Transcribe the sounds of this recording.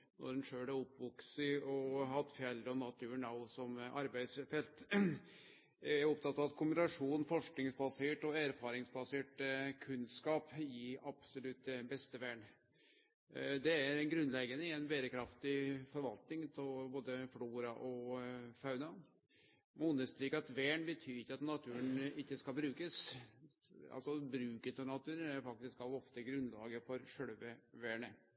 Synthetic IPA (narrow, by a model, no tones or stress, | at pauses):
nɔ̰ɾɛnʂøːɽæʊpʋɔksɪɔhɑt̪ːfjɛlɾəɔnɑt̪ʰʉːɳɑʊsɔmʔɑɾbæɪd̪sfɛlt̪ | æɾɔpt̪ʰɑt̪ːɑʋɑt̪kʰʊmbɪnɑʂuːnfɔʂknɪŋsbɑseːʈɔæɾfɑːɾɪŋsbɑseːʈkʰʉnskɑːpjɪɑbsɔlʉt̪̚d̪ɛbɛst̪əʋæːɳ | d̪ɛæɾɛnɡɾʉnlɛɡənəɪɛnbeːɾəkʰɾɑft̪ɪfɔɾʋɑlt̪nɪŋt̪ʰɔlboːd̪əfluːɾɑʔɔfɑʉnɑ | mʊnəst̪ɾiːkɑt̪ʋeːɳbət̪ʰyːɾɪkːəɑt̪nɑt̪ʰʉːənɪkːəskɑlbɾʉːkəs | ɑ̰lsɔbɾʉːkət̪ʰɪlnɑt̪ʰʉːɾənæɾfɑk̚t̪ɪskɑʋɔft̪əɡɾʉnlɑ̰ːɡəfɔɾʂœɽʋəʋæːɳə